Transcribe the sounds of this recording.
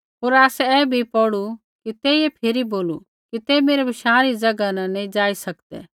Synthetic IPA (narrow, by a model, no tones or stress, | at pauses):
ɦoːɾaːsɛɛːbʱipɔɽu | kit̪eːiepʰeːɾiboːlu | kit̪eːmeːɾɛbʱɪʃaːɾid͡ʒɐɡananɛ̃d͡ʒaːisɐkt̪ɛ̰ː